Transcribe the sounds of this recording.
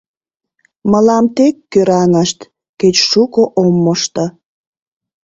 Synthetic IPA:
məlɑmt̪ekːøɾɑŋəʃt̪ | ket͡ɕʃukoʔomːoʃt̪o

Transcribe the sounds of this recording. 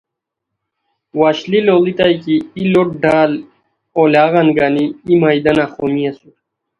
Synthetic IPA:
waːɕliloːlit̪ajkiːloʈ̚ɖaːl | olaːɣanɡaːniːmajd̪ɐnaχomiɐsu

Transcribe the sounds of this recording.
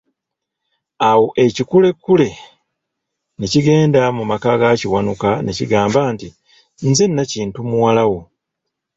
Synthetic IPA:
awo̞ʔe̞cikule̞kːule̞ | neciɡe̞ːndamumakaɡaciwanukanḛciɡaːmbaːnti | nzenːaciːntumuwalawo

